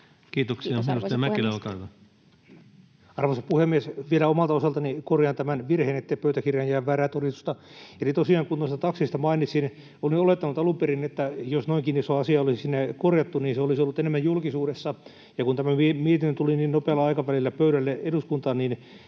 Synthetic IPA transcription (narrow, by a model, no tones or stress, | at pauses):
kiːt̪oksiɑminust̪eɑmækilelkɑitɑ | ɑrʋosɑpuhemːiesʋielæomɑlt̪ɑosɑlt̪ɑnikorjɑnt̪æmænʋirheːnet̪ːepøyt̪ækirjɑjjæːʋʋæræːt̪orist̪u̥st̪ɑelit̪osiɑːŋkunoist̪t̪ɑksist̪ɑmɑinit̪sin | oliolet̪ːɑnut̪ɑluperinet̪ːæjosnoiŋkinisoɑsiɑolisisinːekorjɑt̪ːuniːnseolisolːut̪enemːæjjulkisuːɾesːɑ | jɑkunt̪æmæimiet̪inːønt̪uliniːnnopeɑlːɑɑikɑʋælilːæpøyɾælːeeɾuskunt̪ɑnnin